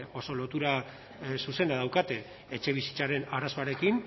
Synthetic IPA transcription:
o̞so̞lo̞t̪uɾa | suse̞nd̪aðawkat̪e̞ː | t͡ʃe̞β̞isi̥t͡saɾe̞naɾaso̞aɾe̞kin

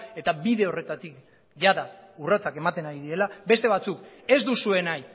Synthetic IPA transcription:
e̞t̪abiðe̞o̞re̞t̪at̪ik | ʝaðaurat͡sake̞mat̪e̞naɾiðiɾe̞labe̞st̪e̞β̞at͡suke̞zd̪usue̞naj

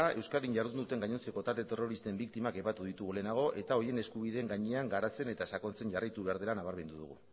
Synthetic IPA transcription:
ae̞wskaliɲʝaɾðund̪ut̪e̞ŋɡaɲo̞nt͡se̞ko̞t̪aɾd̪e̞t̪e̞ro̞ɾist̪e̞mbikt̪imake̞pat̪uð̞it̪uɣule̞naɣ̞o̞ʔe̞t̪ao̞je̞ne̞skuβ̞iðe̞ːŋɡaɲe̞aŋɡaɾat͡se̞ne̞t̪asako̞nt͡se̞ɲʝarajt̪uβe̞aɾð̞e̞lanaβ̞aɾβme̞nd̪uðṵɣṵ

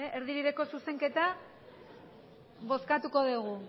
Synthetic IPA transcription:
eʔeɾðiɾiɾe̞ko̞suse̞ŋke̞t̪a | βo̞skat̪uko̞ðuɣ̞u

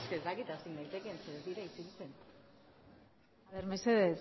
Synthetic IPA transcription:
skezd̪akit̪asind̪ajt̪e̞kenseðeðiɾait͡seɣit͡sen | aβeɾmeseðe

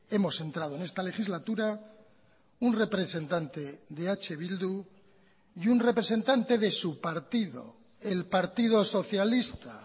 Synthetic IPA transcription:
e̞mo̞se̞nt̪ɾað̞o̞ene̞st̪ale̞xizlat̪uɾa | unre̞pɾe̞se̞nt̪ant̪e̞ðe̞at͡ʃe̞β̞ild̪u | iunre̞pɾe̞sẽ̞nt̪ant̪e̞ðe̞supaɾt̪iðo̞̰ | elpaɾt̪ið̞o̞so̞θjalist̪a

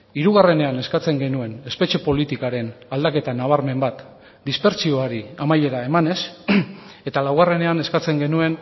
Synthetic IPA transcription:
iɾuɣ̞are̞ne̞ane̞skat͡se̞ŋɡe̞nue̞ne̞spe̞t͡ʃe̞po̞lit̪ikaɾe̞nald̪ake̞t̪anaβ̞aɾme̞mbat̪ | d̪ispe̞ɾt͡sio̞aɾiamajʎe̞ɾae̞mane̞s | e̞t̪alawɣare̞ne̞ane̞skat͡se̞ŋɡe̞nue̞n

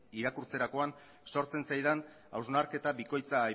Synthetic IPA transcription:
iɾakuɾt͡se̞ɾako̞an | so̞ɾt͡se̞nsajðan | a̰wznaɾke̞t̪aβiko̞jt͡saːj

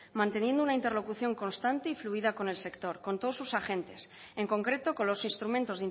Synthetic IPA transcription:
mãnt̪e̞nje̞nd̪ounaint̪elo̞kuθjo̞ŋko̞nst̪ant̪eifluiðako̞ne̞lse̞kt̪o̞ɾkont̪oðosusaxe̞nt̪e̞s | e̞ŋko̞ŋkɾe̞t̪o̞ko̞nlo̞sinst̪ɾumẽnt̪o̞zðin

